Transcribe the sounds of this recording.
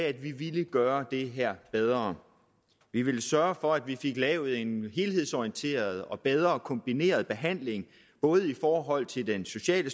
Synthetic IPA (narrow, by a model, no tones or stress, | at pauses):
æd̥ʋiʋiləɡ̥ɶːɐd̥e̝ɦæɐ̰b̥eð̞ˠʁɐ | ʋiʋe̝ləsɶɐfɒ̽æd̥ʋife̝ɡ̥lɛːʊð̩ˠe̝nɦe̝ːlɦe̝ð̞̰ˠsɒiənt͡sʰe̝̰ːɐð̞ˠɒ̽b̥eð̞ˠʁɐkʰɒ̽mb̥ine̝̰ːɐð̞ˠb̥e̝ɦæn̰le̝ŋ | b̥ɔ̽ːð̞̩ˠifɒːɦɒ̽l̰t͡sʰe̝ld̥enso̝ɕɛ̰ːlə